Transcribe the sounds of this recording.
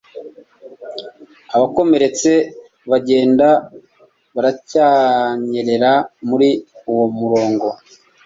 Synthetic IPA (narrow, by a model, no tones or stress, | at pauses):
aβako̞me̞ɾe̞t͡se̞ | βaɟe̞ːnda | βaɾacaɲe̞ɾe̞ɾamuɾiuwo̞muɾo̞ːŋɡo̞